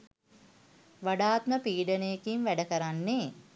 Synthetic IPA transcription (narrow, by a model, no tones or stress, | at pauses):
ʋaɖaːt̪məpiːɖənejkinʋæɖəkəɾanːe